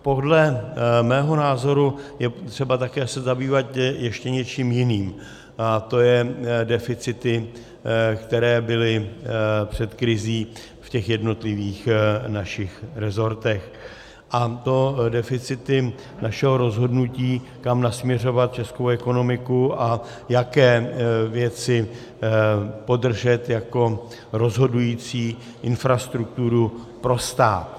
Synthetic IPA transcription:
po̞dlɛmɛːɦo̞naːzo̞ɾujɛt̪r̥ɛbat̪akɛːsɛzabiːvat̪jɛʃcɛɲɛt͡ʃiːmjɪniːm | at̪o̞jɛdɛfɪt͡sɪt̪ɪ | kt̪ɛɾɛːbɪlɪ | pr̝̥ɛt̪kɾɪziː | fcɛxjɛdno̞t̪lɪviːxnaʃɪxɾɛzo̞ɾt̪ɛx | ʔat̪o̞dɛfɪt͡sɪt̪ɪ | naʃɛɦo̞ɾo̞zɦo̞dnuciː | kamnasmɲɛr̝o̞vat̪̚t͡ʃɛskowʔɛko̞no̞mɪkuʔa | jakɛːvjɛt͡sɪ | po̞dr̩ʒɛt̪jako̞ | ɾo̞zɦo̞dujiːt͡siː | ʔɪnfɾast̪ɾuk̚t̪uɾu | pɾo̞st̪aːt̪

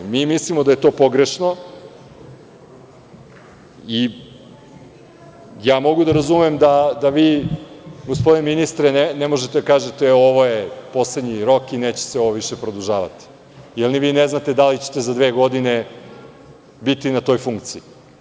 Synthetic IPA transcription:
miːmislimo̞d̪ajet̪o̞ːpo̞ɡɾeʃno̞ | i | jaːmo̞ɡud̪aɾazumemd̪ad̪aʋiː | ɡospod̪ineminist̪ɾenenemoʒet̪ed̪akaːʒe̞t̪eoʋojepo̞sled̪ɲiɾo̞kineːt͡ɕe̥seo̞ʋoʋiʃepɾod̪uʒaːʋa̰t̪i̥ | ilniʋiːneznat̪ed̪alit͡ɕe̥t̪ezad̪ʋeːɡo̞d̪ine | bit̪inat̪o̞ːjfuŋkt̪sii

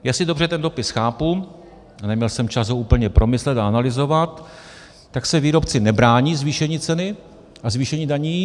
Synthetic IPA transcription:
jaːsɪdo̞brɛt̪ɛndopɪsxaːpu | nɛmɲɛlsɛmt͡ʃasouːpl̩ɲɛpɾo̞mɪslɛt̪aanalɪzo̞vat̪ː | aksɛviːɾo̞pt͡sɪnɛbɾaːɲiːzviːʃɛɲiːt͡sɛnɪ | ʔazviːʃɛɲiːdaɲiː

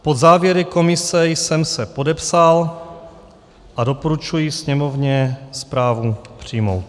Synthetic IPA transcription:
po̞d̪zaːvjɛɾɪko̞mɪsɛjsɛmsɛpo̞dɛpsal | ʔado̞poɾut͡ʃujisɲɛmo̞vɲɛspɾaːvupr̝̥iːmo̞̰wt̪̚

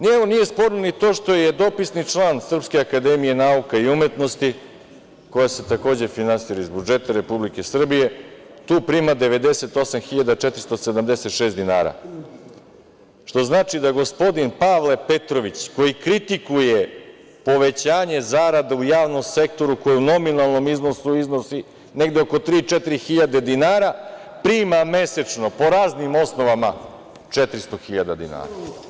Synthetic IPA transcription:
neonije̞spo̞ːɾnonit̪o̞ːʃt̪o̞jed̪o̞pisnit͡ʂlˠaːnsr̩pskeakad̪emije̞naukaiume̞t̪no̞st̪i | ko̞jase̞t̪ako̞ːd͡ʑe̞finansiːɾaizbud͡ʒe̞t̪aɾe̞publike̞sr̩bije̞ | t̪uːpɾiːmad̪e̞ʋe̞d̪e̞se̞t̪o̞samxiʎad̪at͡ʂɛt̪ɾist̪osed̪amd̪ese̞t̪ʃe̞ːsd̪ina̰ːɾa̰ | ʃt̪o̞znaːt͡ʃid̪aɡo̞spo̞d̪inpaʋle̞pet̪ɾoʋit͡ɕko̞jikɾit̪ikuje | po̞ʋe̞t͡ɕaːɲe̞zaɾad̪aujaːʋno̞mse̞k̚t̪o̞ɾuko̞jeuno̞minalˠno̞mizno̞suiznosi | ne̞ɡd̪eoko̞t̪ɾiːt͡ʃet̪iɾixiʎad̪e̞d̪inaːɾapɾiːmame̞se̞t͡ʂno̞po̞ɾaːznimo̞sno̞ʋama | t͡ʂet̪ɾist̪o̞xiʎad̪ad̪ḭna̰ːɾa

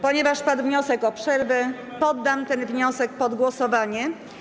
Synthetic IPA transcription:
pɔɲɛvaʂpad̪vɲɔsɛkɔpʂɛɾvɛ | pɔd̪ːamt̪ɛnvɲɔsɛk̚pɔd̪ɡwɔsɔvaɲɛ

